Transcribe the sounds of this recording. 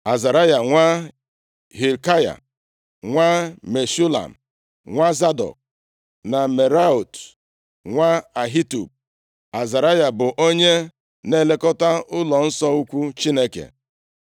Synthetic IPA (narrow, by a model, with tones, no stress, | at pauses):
a˨za˨ɾa˦ja˨ŋʷa˦ | ɦi˨lka˦ja̰˨ | ŋʷa˦me˨su˦la̰˨m̩˨ | ŋʷa˦za˦dɔ̰˨k̚ | na˨me˨ɾa˦o˨t | ŋʷa˦a˨ɦi˦tṵ˨p̚ | a˨za˨ɾa˦ja˨bʊ˨ʔo˦ɲe˦ | ne˦le˦kɔ˦ta˦ʊ˦lɔ˨n̩˦sɔ˦u˦kʷu˦t͡ʃi˦ne˦kḛ˨